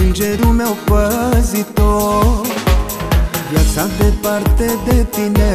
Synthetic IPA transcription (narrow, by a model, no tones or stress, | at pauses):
nd͡ʒeɾumeopəzit̪o | bjasad̪epaɾt̪ed̪et̪ine